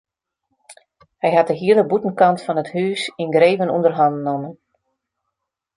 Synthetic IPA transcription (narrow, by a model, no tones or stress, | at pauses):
hɛjɦat̚dəɦiədəbutən̩kɑntfɑnəthyːsinɡreːvənṵndərɦɑndnomən